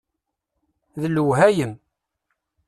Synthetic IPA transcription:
ðəlːəwɦæjəm

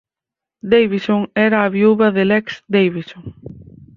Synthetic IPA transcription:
d̪ejβisoŋɛɾaːβiuβɐðɪlɛksd̪ejβisoŋ

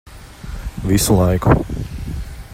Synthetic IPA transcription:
ʋislajkṵ

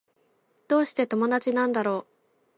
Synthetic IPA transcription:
d̪̥o̞ːɕi̥t̪e̞t̪o̞mo̞d̪at͡ɕinãnd̪aɾo̞ː

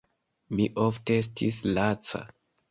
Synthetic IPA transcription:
miʔoftees̬tʰislat͡sa̰

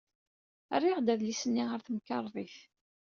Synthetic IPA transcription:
ə̰rːiʁd̪æðlisənːiʁəɾθəmkːɑɾˤðˤiθ

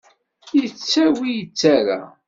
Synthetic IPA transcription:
jət͡sːæwijət͡sːaɾa̰

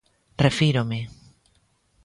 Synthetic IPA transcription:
refiɾome

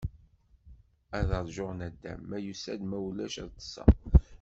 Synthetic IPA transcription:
æðəɾˤʒʊʁnæd̪ːæ̰mːæjusæd̪mæwlæʃəðt̪ːə̥sːɑ̰

